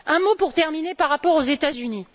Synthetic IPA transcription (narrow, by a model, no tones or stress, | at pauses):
ɛ̃mopuʁt̪ɛʁminepaʁːapɔʁozet̪azyni